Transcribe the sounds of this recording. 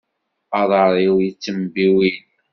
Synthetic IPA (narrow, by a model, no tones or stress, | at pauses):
ɑðˤəɾˤiwjit͡sːəmbiwin